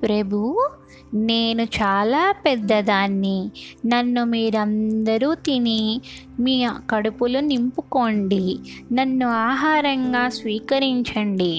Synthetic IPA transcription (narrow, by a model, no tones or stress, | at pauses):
pɾɐbʱu | neːnut͡ʃaːlaːpɛd̪ːɐd̪aːnːinɐnːumiːɾɐnd̪ɐɾuːt̪ini | miːkɐɽupulunimpuko̞ɳɖinɐnːuaːɦaːɾɐŋɡaːsʋiːkɐɾiɲt͡ʃɐɳɖi